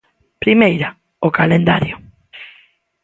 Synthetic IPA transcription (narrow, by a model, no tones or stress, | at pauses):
pɾimejɾa | okalend̪aɾjʊ